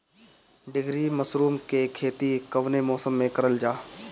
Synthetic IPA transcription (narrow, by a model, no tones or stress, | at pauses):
ɖɪɡɾimɐsɾuːmkekʰeːt̪ikɐʋnemɔːsəmːẽkɐɾəld͡ʒaː